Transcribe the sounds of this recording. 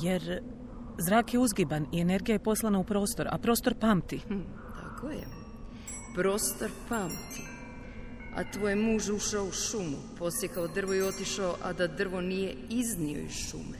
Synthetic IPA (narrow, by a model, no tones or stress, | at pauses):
jeɾ | zɾaːkjeuzɡibanie̞ne̞ɾɡijajepo̞slˠanaupɾo̞ːst̪o̞ɾa̰pɾo̞ːst̪oɾpaːmt̪i | t̪a̰kojḛ | pɾo̞ːst̪oɾpaːmt̪i | a̰t̪ʋoːjemuːʒuʃaouʃumupo̞sjekaod̪r̩ʋojeo̞t̪iʃaoʔa̰d̪ad̪r̩ʋonijeiznio̞̰ḭzʃṵme